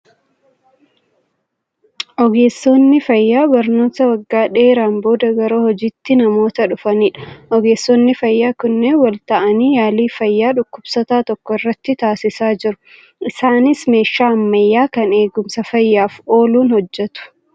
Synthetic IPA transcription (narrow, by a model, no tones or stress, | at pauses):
ʔɔɡeːsːonːɪfɐjːaːbɐɾnoːt̪ɐwɐɡːaːᶑe̞ːɾaːnbo̞ːd̪ɐɡɐɾoːhɔd͡ʒiːt̪ːɪnɐmo̞ːt̪ɐᶑʊfɐniːᶑɐ̥ʔɔɡe̞ːsːɔnːɪfɐjːaːkʊnːewɐlt̪ɐʔɐniːjaːliːfɐjːaːᶑʊkːʊbsɔt̪aːt̪ɔkːɔɪrːɐt̪ːɪt̪aːsɪsaːd͡ʒɪɾʊ̥ | ʔɪsaːnɪsme̞ːʃːaːɐmːɐjːaːkɐne̞ːɡʊmsɐfɐjːaːfo̞ːluːnhɔd͡ʒːɛt̪ʊ̥